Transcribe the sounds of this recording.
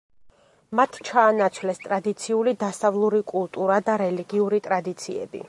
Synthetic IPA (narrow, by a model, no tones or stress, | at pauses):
mat̪ʰt͡ʃʰaːnat̪sʰvlɛst̪ʼɾad̪it̪sʰiulid̪asavlˠuɾikʼulˠt̪ʼuɾad̪aɾɛliɡiuɾit̪ʼɾad̪it̪sʰiɛ̰bḭ